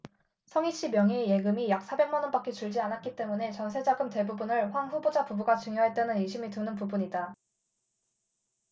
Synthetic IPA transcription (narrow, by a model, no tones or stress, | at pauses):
sʰʌŋiɕ͈imjʌŋɦije̞ɡɯmijak̚s͈ʰabe̞ŋmanʌnbak͈et͡ɕuɭd͡ʑianat̚k͈it͈e̞mune̞t͡ɕʌnsʰe̞d͡ʑaɡɯmte̞bubunɯɭɸwaŋɸubod͡ʑapubuɡat͡ɕuŋjoɦet͈enɯniɭɕʰimitunɯnp̬ubuɲida